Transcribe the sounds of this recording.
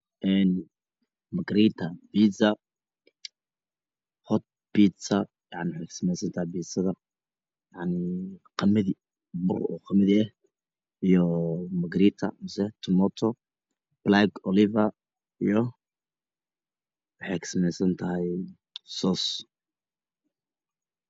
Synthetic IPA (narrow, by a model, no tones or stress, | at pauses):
ʔɛn | mɐɡɾiːt̪ʰɐbiːsɐ | hɔt̪̚biːt̪sɐ | jɑʕnɪwħekʰsɪnɛjsɐnt̪ʰɐhɛjbiːsɐðɐ | jɑʕnɪqɑmɪði | bʊrɔ̰ːqɑmɪðiɛh | ijɔmɐɡɾiːt̪ʰɐ̰mɪsɛt̪ʰʊmɔt̪ʰɔ | b̥laɡɔlɪvɐ | ijɔ | wɑħekʰsɪnɛsɐnt̪ʰɐɦɛj | sɔːs